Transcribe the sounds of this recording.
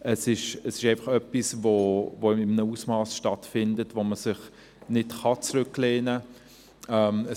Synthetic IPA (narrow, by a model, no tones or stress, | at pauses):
ɛsɪʃəsɪʃæɪnfɑχœpisvovoɪmənəuːsmɑːsʃtɑtfɪndətvoməsɪχ | nɪtχɑt͡sɾʏkleːnə | ɛmə